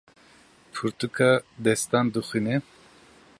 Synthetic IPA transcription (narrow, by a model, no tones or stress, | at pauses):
pʰuɾt̪ukʰad̪ɛst̪and̪uxine